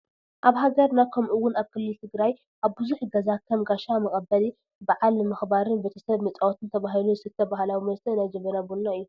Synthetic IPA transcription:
ʔaβhaɡɐɾnakʰɐmʔɨwːʊnaβkʰɨlːɨlt̪ʰɨɡɾaj | ʔaβbɨzuħɡɐzakʰːɐmɡaʃamɐkʼɐbɐli | baʕalɨmɨxbaɾɨnbet̪ʰɐsɐβmɐt͡sʼawot̪ʰɨnt̪ʰɐβaɦiluɨsɨt̪ʰːɐbahlawimɐlsɐnajd͡ʒɐmɐnabunnaɨjːu

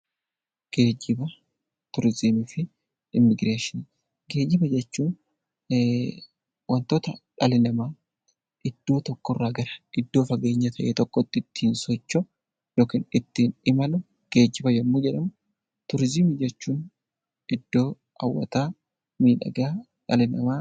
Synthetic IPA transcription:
ɡ̥e̞ːd͡ʒɪbɐ | t̪ʊɾzɪmɪfɪ | ɪmːɪɡɾeːʃɪn | ɡe̞ːd͡ʒɪbɐd͡ʒɛt͡ʃːuːn | wʔɐnt̪oːt̪ɐᶑɐlɪlɐmaː | ɪd̪̥ːo̞ːt̪ɔkːɔrːaːɡɐɾɐ̥ɡɪd̪ːo̞ːfɐɡe̞ːɲːɐt̪ʰɐʔeːt̪ɔkːɔt̪ːɪt̪ːiːnsɔt͡ʃːɔ | joːkiːnɪt̪ːiːnɪmɐlʊ | ɡ̥e̞ːd͡ʒːɪbɐjɛmːoːd͡ʒɛᶑɐmʊ | t̪ʊɾzɪmɪd͡ʒɛt͡ʃːuːn | ɪd̪̥ːo̞ː | ʔɐ̰wːɐ̰t̪aː | miːᶑɐ̰ɡaː | ᶑɐlɪnɐmaː

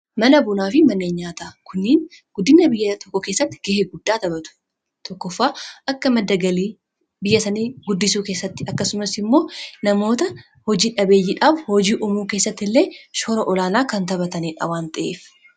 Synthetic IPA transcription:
mɐnɐbʊnaːfɪmɐnːeːɲːaːt̪akʰʊnːɪːn | ɡ̥ʊd̪ːɪnːɐbɪjːɐt̪ɔkːɔkeːsːɐt̪ːɪ̥ɡ̥eheɡʊd̪ːaːt̪ɐbɐt̪ʊ̥ | t̪ɔkːɔfːaːʔɐkːɐmɐd̪ːɐɡɐliː | bɪjːɐsɐniːɡʊd̪ːɪsuːke̞ːsːɐt̪ːɪɐkːɐsʊmɐsɪmːo̞ːnɐmo̞ːt̪ɐ | hɔd͡ʒiːᶑɐbeːjːɪᶑaːbhɔd͡ʒiːʔʊmuːkeːsːɐt̪ːɪlːe̞ːʃɔɾɐʔɔlaːnaːkɐnt̪ɐbɐt̪ɐniːᶑɐ̰waːnt̪ʼɐʔḛːf

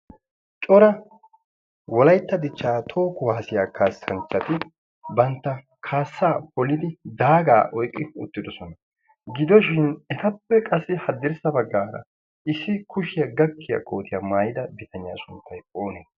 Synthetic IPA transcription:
t͡ʃʼɔɾɐ | wɔlɐjt̪ːɐd̪ɪt͡ʃːaːt̪ʰo̞ːkʊwaːsɪjaːkʰaːsːɐnt͡ʃːɐt̪ɪ | bɐnt̪ːɐ | kʰaːsːaːpɔlɪd̪ɪd̪aːɡa̰ːʔɔjkʼːɪʊ̰t̪ːɪd̪ɔsɔnɐ | ɡɪd̪ɔʃɪnɛt̪ɐpːɛkʼɐsːɪhɐd̪ːɪɾsɐbɐɡːaːɾɐ̰ | ɪsːɪkʰʊʃɪjɐɡɐkːɪjɐ̰kʼo̞ːt̪ɪjɐmaːjɪd̪ɐbɪt̪ʰɐnɪja̰ːsʊnt̪ʰːɐjoːnɛ

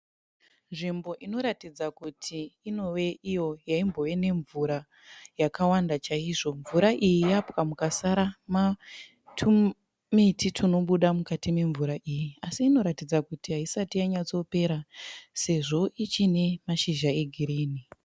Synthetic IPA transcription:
nʐimbo̞ʔino̞ɾatid͡zakutʰiːno̞we̞ijo̞jaimbo̞we̞ne̞ɱvuɾa | jakawandat͡ʃaiʐo̞ɱvuɾaʔijijapwamukasaɾama | tʰu | mitʰitʰuno̞ɓuɗamukatime̞ɱvuɾaʔijiasiːno̞ɾatid͡zakutiɦaisatijaɲat͡so̞pe̞ɾase̞ʐo̞ʔit͡ʃine̞maʃiʒae̞ɡʱiɾiːni

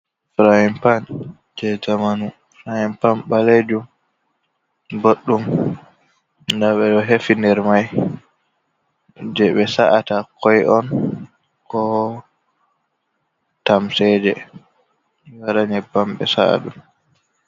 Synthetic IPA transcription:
fɾahimpan | d͡ʒɛd͡ʒamanu | fɾahimpanɓaled͡ʒum | boɗːum | ndaɓɛɗɔɦefindɛɾmaj | d͡ʒɛɓɛsaʔatakʰɔjɔn | kɔ | tamsɛd͡ʒɛ | waɾaɲɛbamɓɛ̰sa̰a̰ɗum

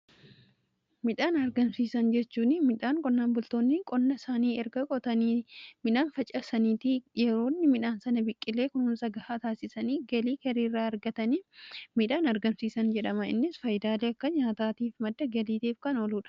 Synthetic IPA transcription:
mɪᶑaːnɐɾɡɐmsiːsɐnd͡ʒɛt͡ʃːuːnɪmɪᶑaːŋkʼɔnːaːnbʊlt̪o̞ːnːɪkʼɔnːɐsaːniːɛɾɡɐkʼɔt̪ɐniːmɪᶑaːnfɐt͡ʃʼɐsɐniːt̪ɪjɛɾo̞ːnːɪmɪᶑaːnsɐnɐbɪkʼːɪlːe̞ːkʊnuːnsɐɡɐhaːt̪aːsɪsɐniːɡɐliːkɐɾiːrːaːɐɾɡɐt̪ɐnimɪᶑaːnɐɾɡɐmsiːsɐnd͡ʒɛᶑɐmɐɪ̰nːɪsfɐjd̪aːleːɐkːɐɲaːt̪aːt̪iːfmɐd̪ːɐɡɐliːt̪iːfkɐnɔluːᶑɐ̥

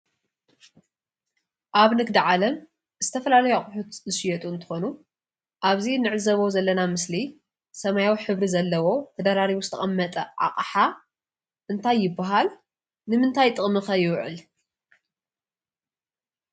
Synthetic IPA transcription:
ʔaβnɨɡd̪iʕalɐm | z̥ɨt̪ʰɐfɐlalɐjoaχʼʊħut̪zɨʃɪjɛt̪ʼuɨnt̪ʰɨ̥xo̞nu | ʔaβzinɨʕɨzɐβozɐlːɐnamɨsli | sɐmajawiħɨβɾizɐlːɐwo̞t̪ʰɐd̪aɾaɾiβuzɨ̥t̪ʰɐχʼɐmːɐt̪ʼɐʕa̰qʼħa | ʔɨnt̪ʰajːɪbːaɦal | nɨmɨnt̪ʰajt̪ʼɨχʼmɨxɐjɪwʕɨ̰l

